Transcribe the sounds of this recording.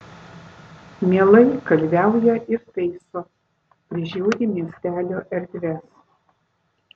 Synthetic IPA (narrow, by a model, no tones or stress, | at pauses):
mʲiɛlˠɐɪkɐlʲʋʲæˑʊjɛʔɪɾt̪ʲɛɪsoː | pʲɾʲɪʒʲuːɾʲiːmʲiɛsʲt̪ʲæːlʲoːʔɛɾʲd̪ʲʋʲɛs